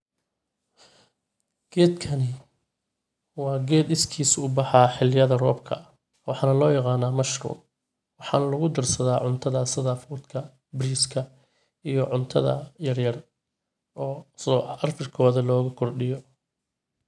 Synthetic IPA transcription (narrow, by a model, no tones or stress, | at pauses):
ɡ̥ɛːd̪kʰɐnɪ | wɑːɡɛːd̪ɪskʰiːsʊʊbɑħɑːħɪlɪjɐðɐrɔːbkʰɐ̰ | wʔɑħɑːnɐlɔːjɑqɑːnaːmɐʃrṵːr | wɑħɑ̰ːnɐlɐɣʊd̪ɐrsɐðaːʕʊnt̪ʰɐðɐsɐðaːfuːd̪kʰɐ | bɾiːskʰɐ | ijɔʕʊnt̪ʰɐðɐ̰jɐrjɐr | ɔːsɔːɐrfɪrkʰɔːðɐlɔːɣʊkʰɔrɖɪjɔ